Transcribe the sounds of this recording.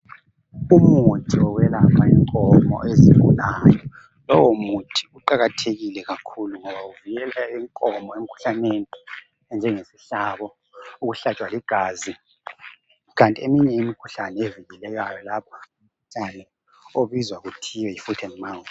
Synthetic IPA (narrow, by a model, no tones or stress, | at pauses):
umutʰʼiɔwɛlapʰaḭŋkʼɔmɔ̰ʔeziŋkʼulajɔ | lɔwɔmutʰi̥uǃaɣatʰeɣilɛɣakʰuluŋɔβauviɣɛlaiŋkʼɔmɔem̩kʰu̥ɬaneni | ɛnd͡ʒʱɛŋesiɬaβɔ | uɣuɬat͡ʃʼwaliɡ̥ʱaːzi | ɣantʼiemiɲɛimikʰu̥ɬanɛeviɣɛlɛɣajɔlapʰḁukʰt͡ʃʼanɛ | oβizwaɣutʰiwɛjifutʰɛnman